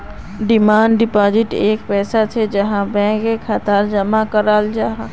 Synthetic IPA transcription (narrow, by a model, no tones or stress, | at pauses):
ɖɪmaːnɖɖɪpaːd͡ʒɪʈeːkpɛːsat͡ʃʰed͡ʒɐɦãbɛ̃ːkekʰat̪aːɾd͡ʒɐmakəɾaːld͡ʒaɦã